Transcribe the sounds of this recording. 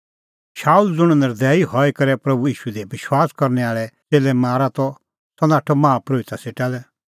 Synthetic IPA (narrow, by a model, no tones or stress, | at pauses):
saːuld͡zʊɽ̃nɐɾd̪ɛːiɦɔikɐɾɛpɾɐbuiːʃud̪ɛbɪʃwaːskɔɾnɛaːɭɛt͡seːlɛmaːɾat̪ɔ | sɐ̃naːʈʰɔmaːpɾoːɪt̪aseːʈaːlɛ